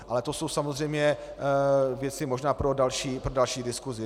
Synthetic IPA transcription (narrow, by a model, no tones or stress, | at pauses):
ʔalɛt̪o̞so̞wsamozr̝ɛjmɲɛ | vjɛt͡sɪmo̞ʒnaːpɾo̞dalʃiːpɾodalʃiːdɪskuzɪ